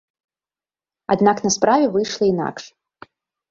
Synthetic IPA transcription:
ad̪naknɐspɾavʲɛvɨjʂlˠɐina̰kʂ

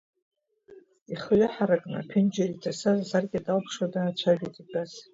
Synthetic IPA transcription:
iχəɥʷaħaɾakʼna̰pʰɪnd͡ʒaritʰasazzarɡʲɪadalpʰʂwadaːt͡ʃʷʰaʒᶣejtʼibaz

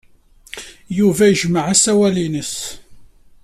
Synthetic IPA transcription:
juvæjəʒməʕasæwælinəs

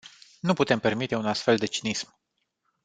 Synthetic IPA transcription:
nuput̪e̞mpe̞rmit̪eunast̪fe̞ld̪e̞t͡ʃinism

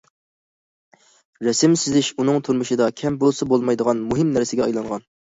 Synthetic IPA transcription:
ɾɛsɪmsɪzɪʃunɨŋt̪ʰuɾmɨʃɨd̪ɑkʲʰɛmbolˠsɨbolˠmɑjd̪əʁɑnmuɦɪmnæɾsɪɡʲɛɑjlˠɑŋʁɑn

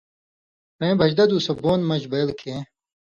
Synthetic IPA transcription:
ɾẽbʱɐʑd̪ɐd̪usɐboːnmɐd͡ʑbɐjlkʰeː

